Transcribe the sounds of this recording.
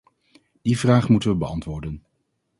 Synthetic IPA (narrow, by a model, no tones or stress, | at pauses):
d̥ivraːχmutənʋəbəɑntʋʊːɹdən